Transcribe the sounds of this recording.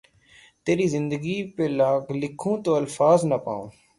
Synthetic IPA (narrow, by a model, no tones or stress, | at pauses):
t̪eːɾiːzɪnd̪əɡiːpeːlaːɡlɪkʰũːt̪oːəlfaːznəpa̰ːõ̰ː